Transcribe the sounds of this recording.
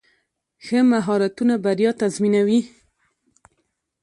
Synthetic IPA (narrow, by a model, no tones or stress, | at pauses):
xəmaɦɑɾat̪unabaɾjɑt̪azminawi